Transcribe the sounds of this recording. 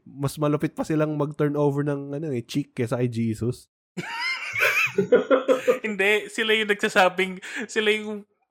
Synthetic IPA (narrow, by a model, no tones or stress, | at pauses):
mɐsmɐlɐpɪt̪̚pɐsɪlaŋmɐɡ̚t̪ɛɹnoːwvɛɹnɐŋɐnonɛt͡ʃikːɐsɐkɐjd͡ʒiːsos | hɪnd̪ɛsɪlajʊŋnɐɡ̚sɐsaːbɪŋsɪlajʊŋ